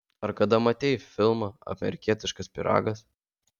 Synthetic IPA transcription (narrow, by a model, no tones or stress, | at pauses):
ɐɾkɐd̪ɐmɐt̪ʲɛɪfʲɪlˠmɑːɐ̰mʲɛ̰ɾʲɪkʲiɛt̪ʲɪʃkɐspʲɪɾɑ̰ːɡɐs